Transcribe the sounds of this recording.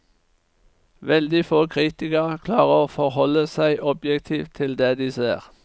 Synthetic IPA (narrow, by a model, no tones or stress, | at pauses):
ʋɛld̪ɪfoːkʰʁiːt̪ɪkəʁkʰlɑːʁəoːfɔʁhɔləsæɪʔɔbjɛkt̪ʰiːft̪ʰːɪld̪eːd̪iːseːʁ